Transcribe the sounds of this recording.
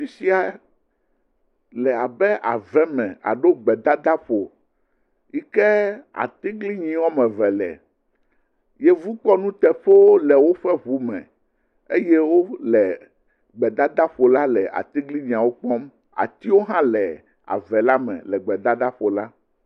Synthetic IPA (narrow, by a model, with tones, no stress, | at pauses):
fi˨si˦a˨ | lɛ˨a˨bɛ˦ʔa̰˨vɛ˦mɛ̃˨a̰˨ɖo˦ɡ͡bɛ˨d̪a˦d̪a˦ɸo˨ | i˦kɛ˦a̰˨t̪i˦ɡli˦ɲĩ˨wɔ˦mɛ̃˨vɛ˨lɛ̰˨ | jɛ˦vu˦k͡pɔ˦nũ˦t̪ɛ˨ɸo˦wo˦lɛ˨wo˦ɸɛ˦βu˦mɛ̰̃˨ | e˦jɛ˦wo˦lɛ˨ | ɡ͡bɛ˨d̪a˦d̪a˦ɸo˨la˦lɛ˨ʔa̰˨t̪i˦ɡli˦ɲĩ˨a˨wo˦k͡pɔ˦m | a̰˨t̪i˦wo˦ɦã˦lɛ˨ | a̰˨vɛ˨la˦mɛ̰̃˨lɛ˨ɡ͡bɛ˨d̪a˦d̪a˦ɸo˨la˦